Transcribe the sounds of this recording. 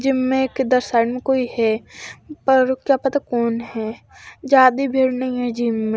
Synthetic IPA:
d͡ʒɪmːẽked̪ɐɾsaːɪɖmẽkoːihɛ | pɐɾkjapɐt̪akɔːnɦɛː | d͡ʒaːd̪ibʱeːɽnɐɦĩɦɛd͡ʒiːmːẽ

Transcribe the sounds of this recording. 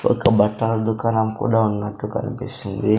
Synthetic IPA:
ɔ̰kːɐbɐʈːalɐd̪ukaːnamkṵːɽaunːɐʈːukɐ̰nipisind̪i

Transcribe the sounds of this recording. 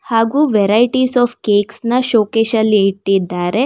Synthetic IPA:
haːɡuːʋɛɾɐjʈisɔːfkeːksnɐʃoːkeʃɐlːiːʈːid̪ːaːɾe̞

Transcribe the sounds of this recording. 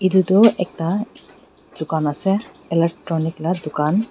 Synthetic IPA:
idutɔʔɛk̚ta | d̥ʊkanasɛ | ilɛk̚ʈɹɔniklad̪ʊkan

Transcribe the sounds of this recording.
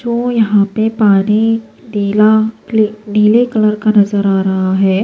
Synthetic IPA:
d͡ʒoːjɐɦãpepaːni | ɖiːlalɖiːlekɐləɾkanɐzəɾaːɾɐɦaɦɛː

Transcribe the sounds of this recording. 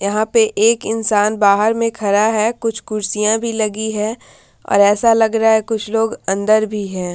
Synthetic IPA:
jɐɦãpeʔeːkɪnsaːnbaːɦəɾmẽkʰɐɾaɦɛkʊt͡ʃʰkʊɾsijãbʱilɐɡiɦɛː | ɔ̰ːɾɛːsalɐɡɾaaɦɛkʊt͡ʃʰloːɡɐ̃nd̪əɾbʱiɦɛ̃ː

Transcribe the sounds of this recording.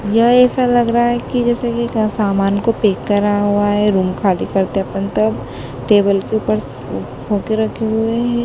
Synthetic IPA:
jɐɛːsalɐɡɾaaɦɛkid͡ʒɛːsekisaːmaːnkopeːkːɐɾaɦuaɦɛɾuːmkʰaːlikɐɾt̪eɐpənt̪ɐb | ʈeːbəlkeupəɾ | ɦoːkeɾɐkʰeɦʊeɦɛ̃ː

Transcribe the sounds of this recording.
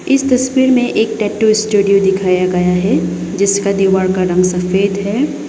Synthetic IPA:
ɪst̪ɐswiːɾmẽʔeːk̚ʈɛːʈːuɪsʈuːɖijod̪ɪkʰaːjaɡɐjaɦɛ | d͡ʒɪskad̪iːʋaːɽkaɾɐ̃ŋɡsɐfeːd̪ɦɛː

